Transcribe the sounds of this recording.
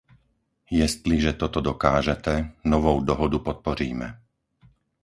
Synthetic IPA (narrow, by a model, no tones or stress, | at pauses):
jɛst̪liʒɛt̪ɔt̪ɔd̪ɔkaːʒɛt̪ɛnɔʋɔʊd̪ɔɦɔd̪upɔt̪̚pɔɾiːmɛ̰